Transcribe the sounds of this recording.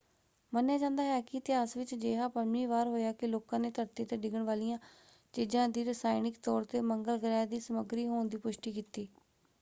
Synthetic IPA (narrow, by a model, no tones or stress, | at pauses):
mənjaːd͡ʒãːnd̪aːɦɛːkɪət̪ɪɦaːsʋɪt͡ʃd͡ʒeːɦãːpəniːʋaːɾɦoːjaːkɪloːkãːneːt̪əɾt̪eːt̪eːɖɪɡəɳʋaːlijãː | t͡ʃiːd͡ʒãːd̪iːɾəsaːɪnɪkt̪ɔːɾt̪eːməŋɡəlɡəɾɛːd̪iːsəməɡɾiːɦoːnd̪iːpʊʃʈiːkiːt̪iː